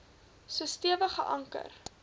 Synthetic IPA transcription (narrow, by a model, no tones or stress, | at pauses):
suəstiəvəχə̰ʔɐŋkə̰r